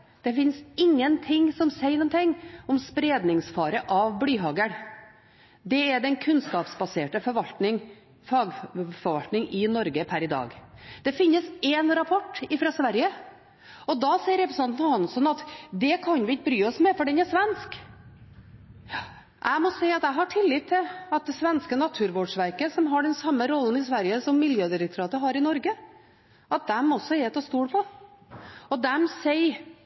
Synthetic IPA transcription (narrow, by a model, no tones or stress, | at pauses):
d̪̥ɛfɪnsɪŋːənt̪ʰɪŋːsɔmseɪɾnʊːnt̪ʰɪŋːɔmspɾeːd̪nɪŋsfɑːɾəʔɑʋblyːɦɑːɡəɳ | d̪ɛæd̪ɛnkʰʉnskɑːpsbɑseːʈəfɔʋɑlɪŋ | fɑɡfɔɾʋɑlt̪nɪŋɪnɔɾɡəpʰæɾɪd̪ɑ̰ːɡd̪̥ɛfɪnːəsɛnɾɑpʰɔʈːɪfɾɑsʋæɾjə | ɔd̪ɑsɛɪəɾɛpɾəsn̩ɑnnhɑnsɔnɑt̪d̪ɛkʰɑnʋɪɪt̪̚bɾyːɔsmɛfɔɖɛnæʂʋɛnsk | ʔæɪmɔsɛɪɑt̪æɦɑʈʰɪlːɪt̪ʰːɪɑt̪̚d̪ɛsʋɛnskənɑt̪ʰʉːɾʋoːɖʂʋæɾkəsɔmɦɑɖɛnsɑmːəɾɔlːənɪsʋæɾjəsɔmːɪljøːd̪ɪɾəkt̪ʰʊɾɑːt̪əɦɑɾɪnɔɾɡə | ɑt̪̚d̪ɛmɔsːɔɛt̪ʰɑːst̪uːɽpʰɔ | ɔd̪ɛmsɛɪ